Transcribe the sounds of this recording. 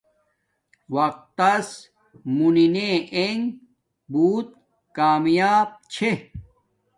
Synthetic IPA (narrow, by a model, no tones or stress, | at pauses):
wɐq̚t̪ːɐs | munineeŋ | buːt̪̚ | kaːmjaːb̚t͡ɕʰe